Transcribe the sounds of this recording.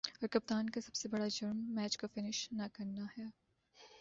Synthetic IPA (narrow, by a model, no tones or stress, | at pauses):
ɔːɾkɐp̚t̪aːnkasɐbsebɐɽad͡ʒɐɾmːɛːt͡ʃkofɪnɪʃnakɐɾnaɦɛː